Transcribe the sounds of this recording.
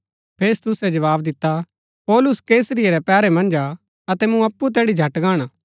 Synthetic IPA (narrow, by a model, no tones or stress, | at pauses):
pʰeːst̪ʊsɛd͡ʒɐʋaːbd̪ɪt̪ːa | pɔːlʊskeːsəɾɪeɾɛpɛːɾɛmɐ̃nd͡ʒa | ɐt̪ɛmũɐpːut̪̬ɛːɽid͡ʒʱɐʈɡaːɽ̃aː